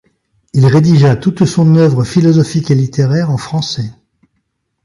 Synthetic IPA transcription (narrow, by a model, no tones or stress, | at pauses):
ilʁed̪iʒat̪ut̪sɔ̃nœvʁəfilɔzɔfikelit̪eʁɛʁɑ̃fχɑ̃sɛ